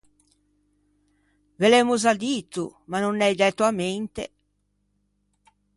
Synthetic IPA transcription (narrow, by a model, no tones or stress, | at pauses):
velɛmozad̪iːt̪ṵmanonːɛjd̪ɛt̪ːoament̪ḛ